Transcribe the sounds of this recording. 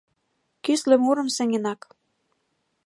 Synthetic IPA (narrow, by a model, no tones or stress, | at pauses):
kyslĕmuɾɤ̆msæ̆ŋenɑk